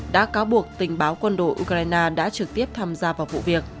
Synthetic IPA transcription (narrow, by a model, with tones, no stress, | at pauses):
ɗa̰ː˧˥kaː˨˦wɓu˨˩ək̚t̪ï˨˩ŋ̟ɓaː˨˦wkwə˧nɗo̰˧˨jʔu˧kaː˧jnaː˧ɗa̰ː˧˥t͡ɕɨ˨˩k̚t̪i˦˥əp̚t̪ʰaː˧mzaː˧vaː˨˩wvṵ˧˨vi˨˩ək̚